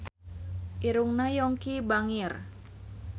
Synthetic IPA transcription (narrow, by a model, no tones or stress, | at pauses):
ʔiɾuŋnajɔŋkibaŋir